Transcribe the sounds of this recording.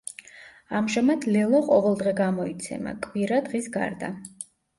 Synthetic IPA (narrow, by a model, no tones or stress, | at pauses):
amʒɛmad̪lɛlˠɔqʼɔvɛlˠd̪ʁɛɡamɔit̪sʰɛ̰ma̰kʼwiɾad̪ʁisɡa̰ɾd̪a̰